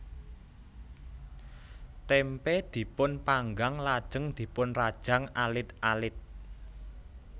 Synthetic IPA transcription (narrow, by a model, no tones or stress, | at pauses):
t̪ɛmpɛd̪̥i̤pʊnpaŋɡaŋlad̥ʒ̥ə̤ŋd̪̥i̤pʊnrad̥ʒ̥ä̤ŋalɪt̪ʔalɪt̪̚